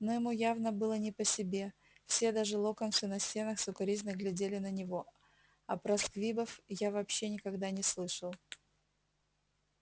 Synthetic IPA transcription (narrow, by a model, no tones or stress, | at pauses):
nojɪmujavnəbɨlˠənʲɪpəsʲɪbʲe̞ | fsʲed̪aʐɨlˠokɐnt̪sunɐsʲtʲe̞nəxsʊkɐɾʲizʲnəɡlʲɪdʲelʲɪnənʲɪvo | ɐpɾɐskvʲibəfjavɐpɕːe̞nʲɪkɐɡd̪anʲɪslˠɨʂəlˠ